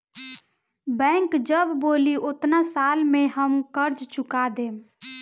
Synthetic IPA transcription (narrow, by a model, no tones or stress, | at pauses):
bɛ̃ːŋkd͡ʒəbːoːliʔʊt̪nasaːlmẽɦəmkəɾd͡ʒt͡ʃʊkad̪eː